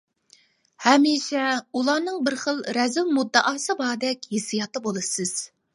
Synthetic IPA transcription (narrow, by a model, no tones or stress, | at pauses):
hɛmiʃɛulˠɑnɨŋbɪɾχəlˠɾɛzɪlmud̪ːɑʔɑːsɨbɑːd̪ɛkʲhesijɑt̪ɨbolˠɨsɨz̥